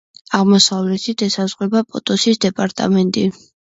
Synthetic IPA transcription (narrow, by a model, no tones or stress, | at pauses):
aʁmɔsavlɛt̪ʰid̪ɛsazʁwɛbapʼɔt̪ʼɔsisd̪ɛpʼaɾt̪ʼa̰mɛnt̪ʼi